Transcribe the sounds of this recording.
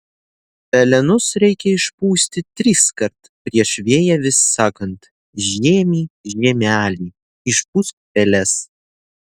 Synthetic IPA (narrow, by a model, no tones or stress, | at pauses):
pʲɛlʲɛnʊsɾʲɛɪkʲɛɪʃpuːsʲt̪ʲɪt̪ʲɾʲiskɐɾt̪pʲɾʲiɛʃʋʲeːjɛʋʲɪsːɑːkɐnt̪ | ʒʲeːmʲiːʒʲeːmʲæːlʲiː | ɪʃpuskːpʲɛlʲɛs